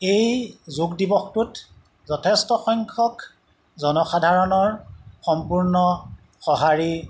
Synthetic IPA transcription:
ejzuɡdibɔxtut | zɔtʰestɔxɔjŋkʰɔk | zɔnɔxadʱaɹɔnɔɹxɔmpuɹnɔ | xɔɦaɹi

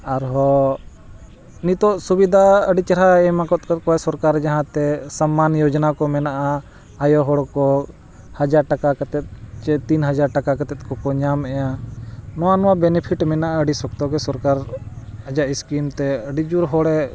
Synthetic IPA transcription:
aɾɦɔ | nit̪ɔʔsubid̪ʱaəɖit͡ʃəɾaɛmãkɔt̪̚kɔt̪kɔɛsɔɾkaɾd͡ʒaɦãt̪ɛsamːanjɔd͡ʒnakɔmɛnaʔaː | jɔɦɔɽkɔ | had͡ʒaɾʈakakət̪ɛt̪̚t͡ʃɛt̪inɦəd͡ʒaɾʈakakət̪ɛt̪̚ˀkɔkɔɲamɛjanɔwanɔwabɛnɛpʰiʈmɛnaʔaəɖisɔkt̪ɔɡɛsɔɾkaɾəd͡ʒaʔiskimt̪ɛəɖid͡ʒuɾɦɔɽɛ

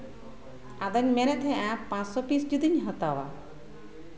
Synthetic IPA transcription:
ad̪aɲmɛɾɛt̪ʰɛ̃ʔãpãt͡ʃsɔpisd͡ʒud̪iɲɦət̪awa̰

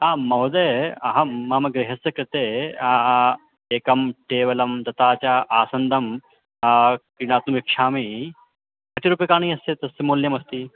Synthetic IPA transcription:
aːmɐɦd̪eɐɦɐːaːmɐɡɾeɦɐsɐkɾɪt̪eːa | eːkɐmʈeːʋɐlɐmd̪ɐt̪aːt͡ɕaːʔaːsɐnd̪ʱɐm | akɾiɽ̃aːt̪nuʋikʂaːmi | kɐt̪iɾuːpekaːɳ̃iːɐst̪et̪ɐsːemoːljɐmɐst̪iː

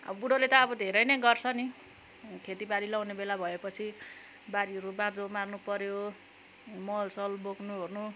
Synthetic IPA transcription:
ʌ̰bʌbuɽolet̪ʌːbʌd̪ʱeɾʌjnʌɡʌrt͡sʰʌni | kʰet̪ibaɾilawnebelabʱʌepʌt͡sʰi | baɾiɦʌɾubãd͡zomarnupʌɾjo | mʌlsʌlboknuornu

